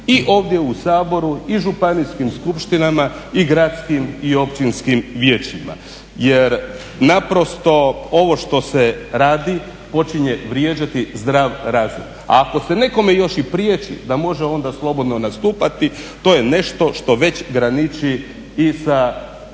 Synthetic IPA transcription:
iʔo̞ːʋd̪ʲje̞usaːbo̞ɾuiʒupaniskimskupʃt̪inama | iɡɾat̪skimio̞pt͡ɕinskimʋjeːt͡ʃima̰ | je̞ɾ | napɾo̞st̪o̞o̞ʋo̞ʃt̪o̞seɾaːd̪i | po̞t͡ʃiɲe̞ʋɾjeːd͡ʑat̪izd̪ɾaːʋɾaːzom | a̰ːko̞se̞ne̞ko̞mejo̞ʃipɾjet͡ʃḭd̪amo̞ʒeo̞nd̪aslˠo̞bo̞d̪no̞nast̪uːpat̪it̪o̞je̞ne̞ʃt̪o̞ʃt̪o̞ʋe̞t͡ɕɡɾanit͡ʃiː | sa

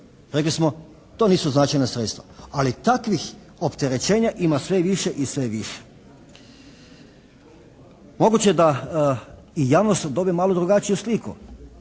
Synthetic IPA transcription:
ɾeklismo | t̪o̞niːsuznat͡ʃajnasɾet̪st̪ʋa̰alit̪akʋix | opt̪eɾet͡ɕe̞ːɲaʔimasʋe̞ʋiʃeʔisʋeʋiʃe̥ | mo̞ɡut͡ɕed̪a | ijaːʋnost̪d̪o̞bimaːlˠod̪ɾuɡat͡ɕijuslikṵ

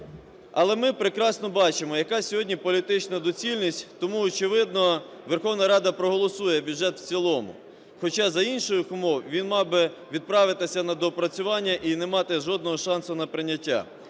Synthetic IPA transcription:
ɐlˠɛmɪpɾekɾɑsnɔbɑt͡ʃɪmɔjɐkɑsʲɔɦɔdʲnʲipɔlʲit̪ɪt͡ʃnɐd̪ɔt͡sʲilʲnʲisʲtʲt̪ɔmuɔt͡ʃɪʋɪd̪̚nɔ | ʋerxɔwnɐɾɑd̪ɐpɾɔɦɔlˠɔsujɛbʲudʒɛt̪w̥t͡sʲilˠɔmʊ̰ | xɔt͡ʃɑzɐinʃɔjʊxʊmɔwʋʲinmɑbɪʋʲid̪̚pɾɑʋɪt̪ɪsʲɐnɐd̪ɔpɾɐt͡sʲʊʋɑnʲːɐʔinemɑt̪ɪʒɔd̪nɔɦɔʃɑnsʊnɐpɾɪnʲːɐtʲːa̰

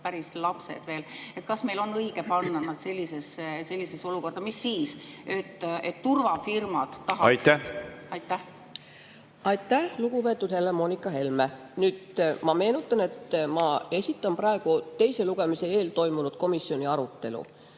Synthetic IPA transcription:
pæɾislɑpsḛd̪̥ve̞ːlet̪kɑsme̞jlo̞nːɤjɡ̥epɑnːɑnɑd̪̥se̞lʲːisesese̞lʲːiseso̞luko̞rd̪ɑmisːiːset̪ːet̪ːurvɑfirmɑd̪̥ːɑɦɑɑj̪æɑjt̪ːˑæh | ɑjt̪ːˑæhluɡ̥upe̞t̪ːˑud̪̥he̞lːemo̞ːnʲikːˑɑɦe̞lme | nyːd̪̥mɑme̞ːnut̪ˑːɑne̞t̪ːmɑe̞sʲit̪ːˑɑmprɑe̞ɡ̥ut̪e̞jse̞luɡ̥emise̞e̞ːlt̪o̞jmunud̪̥̚ko̞misjo̞nʲiɑɾut̪ːe̞lṵ

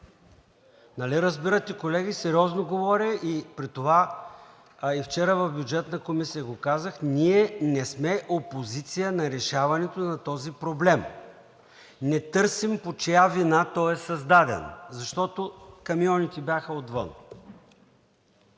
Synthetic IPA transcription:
nɐliɾəzbiɾət̪ɛkolɛɡisɛɾiɔznoɡovɔɾʲəipɾit̪ova | ift͡ʃɛɾəvɐvbjud͡ʒɛt̪nɐkomisijəɡokazəxniɛnɛsmɛʔopozit̪sijənɐɾɛʃavɐnɛt̪onɐt̪ɔzipɾoblɛm | nɛt̪ɤɾsimpot͡ʃjavinat̪ɔɛsɐzd̪ad̪ɛ̰nzɐʃt̪ɔt̪okɐmijɔnit̪ɛbʲjaxɐot̪və̰n

